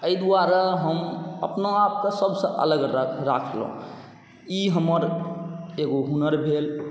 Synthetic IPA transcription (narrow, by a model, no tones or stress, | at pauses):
əjd̪uaɾaɦəməpnoap̚kesəbʱsə̃ʔə̰ləɡɾɾa̰kʰl̰ṵ̃ | iɦəməɾ | eɡoɦunəɾbʱel